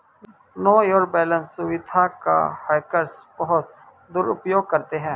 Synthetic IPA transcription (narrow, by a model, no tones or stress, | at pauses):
noːjɔːɾk̚bɛːlə̃nsːʊʋɪd̪ʱaka̰haːɪkəɾsbəɦʊt̪ | d̪uːɾʊpjoːɡ̚kəɾt̪eɦɛ̃ː